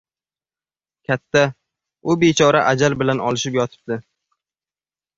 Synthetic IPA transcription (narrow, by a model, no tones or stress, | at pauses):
kʲʰat̪ʰːa | ʊbet͡ʃʰɒɾaʔad͡ʒalbɪlanɒlɪʃɪpjɒt̪ʰɪ̥p̚d̪ɪ